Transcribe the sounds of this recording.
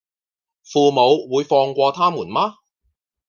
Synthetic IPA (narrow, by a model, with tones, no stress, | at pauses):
fuː˨˧mo˨˧wwuː˨˧jfɔː˧ŋkʷɔː˧t̪ʰaː˥muː˨˩nmaː˥